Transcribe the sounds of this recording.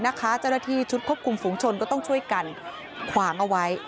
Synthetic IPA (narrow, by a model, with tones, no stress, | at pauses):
na˦˥kʰa˦˥t͡ɕa˥˩wna˥˩t̪ʰiː˥˩t͡ɕʰu˦˥t̪̚kʰu˥˩p̚kʰu˧mfuː˩˦ŋt͡ɕʰo˧nkɔː˥˩t̪ɔ˥˩ŋt͡ɕʰu˥˩əjka˧n | kʰwaː˩˦ŋʔa˧wa˦˥j